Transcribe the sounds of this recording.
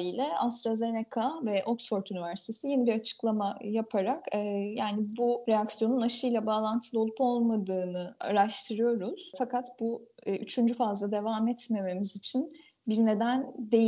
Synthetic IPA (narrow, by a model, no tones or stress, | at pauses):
ijlʲɛast̪ɾaze̞nekʰavɛʔo̞ksfo̞ɾt̪ynivæɾsi̥t̪ʰe̞sijenibiɾat͡ʃʰɯ̥klˠamajapʰaɾakɯjaːnibuɾejaksjo̞nunaʃɯjlʲˠabaːlˠant̪ʰɯlˠo̞lˠupo̞lˠmad̪ɯːnɯa̰ɾaʃt̪ʰɯɾɯjo̞ɾuz̥fakat̪buːyt͡ʃʰynd͡ʒyfazlˠad̪e̞vaːmɛt̪me̞me̞mizit͡ʃʰin | biɾne̞d̪ænd̪e̞j